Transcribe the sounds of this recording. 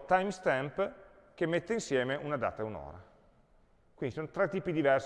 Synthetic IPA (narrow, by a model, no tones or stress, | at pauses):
t̪ajmst̪ɛmp | k̟emːet̪ːeinsjɛːmeʔunad̪a̰ːt̪auno̰ːɾa̰ | kwind̪isonot̪ɾɛt̪ːiːpid̪ivɛrs